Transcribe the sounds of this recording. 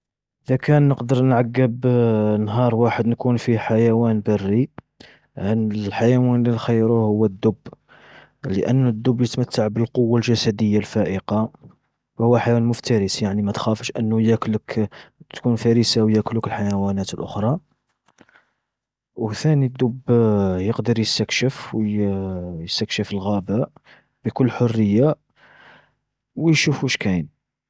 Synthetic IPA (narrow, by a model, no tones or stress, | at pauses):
ʔʔəd̪ækænːəqd̪əɾˤnʕaɡːəbnɦɑɾˤwaħəd̪nkunfiħajæwænbərːi | ʕənlħajawænlinxəjːɾuhʊwːæd̪ːʊbː | ləʔənːd̪ːʊbːjət̪mət̪ːaʕbəlqowːalʒæsæd̪əjːalfæʔəqɑ | hʊwːæħajwænmʊft̪æɾəsjaʕnimæt̪xæfəʃʔənːujækləkt̪kunfæɾisawjæklukəlħajawænæt̪əlʔʊ̰xɾˤɑ | wθænid̪ːubjəqd̪əɾjəst̪əkʃəfw | jəst̪əkʃəfəlɣæbaʔ | b̥əkʊlːħʊrːəjːa | wjʃufuʃkæjn